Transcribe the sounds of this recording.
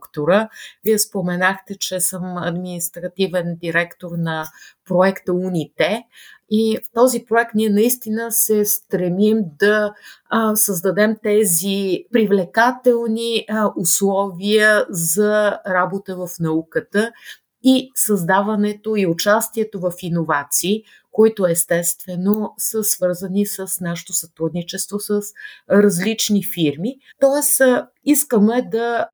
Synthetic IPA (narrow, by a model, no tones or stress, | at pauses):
kt̪oɾəviɛspomɛnaxt̪ɛt͡ʃɛsəmɐ̰d̪minist̪ɾɐt̪ivɛnd̪iɾɛkt̪oɾnɐpɾoɛkt̪əunit̪ɛift̪ɔzipɾoɛk̚t̪niɛnɐist̪inəsɛst̪ɾɛmimd̪ɐ | səzd̪ɐd̪ɛmt̪ɛzipɾivlɛkat̪ɛlˠniʔuslˠɔviəzɐɾabot̪əvəfnɐukət̪ə | isəzd̪avɐnɛt̪oiʊt͡ʃast̪iɛt̪ovəfinovat̪siː | koit̪oɛst̪ɛst̪vɛnosəsvɤɾzənisəsnaʃɛ̥t̪osɐt̪ɾud̪nit͡ʃɛst̪vosəsɾɐzlit͡ʃnifiɾmi | t̪ɔɛs | iskəmɛd̪ɐ